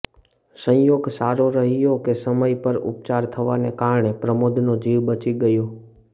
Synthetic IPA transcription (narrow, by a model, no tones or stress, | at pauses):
sə̃joɡsaɾoɾəɦijokesəməjpəɾʊ̰p̚t͡ʃaɾt̪ʰəʋanekaɾɳepɾəmod̪ʱnod͡ʒiʋbət͡ʃiɡəjo